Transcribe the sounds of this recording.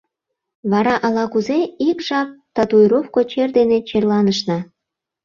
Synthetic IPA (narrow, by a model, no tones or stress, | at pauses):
βɑɾɑʔɑlɑkuzeikʒɑp̚t̪ɑt̪ujɾofkot͡ɕerd̪enet͡ɕerlɑnəʃnɑ